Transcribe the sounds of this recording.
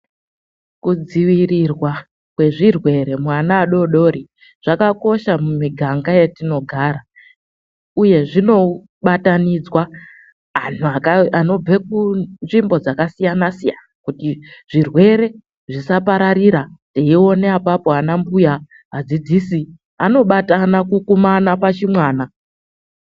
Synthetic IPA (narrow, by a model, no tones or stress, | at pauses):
kud͡ziʋirirwa | kwe̞ʐirwe̞ɾe̞mwanaːɗo̞ɗo̞ɾi | ʐ̥akako̞ʃamumiɡʱaŋɡaje̞tino̞ɡʱaːɾa | uje̞ʐino̞ | ɓatanid͡zwa | ɦanuakano̞b͡vek̚unʐimbo̞d͡zakasijanasijanakutiʐ̥irwe̞ɾe̞ | ʐisapaɾaɾiɾateio̞neapapo̞anambuja | ɦad͡zid͡zisi | ano̞ɓatanakukumanapat͡ʃimwaːna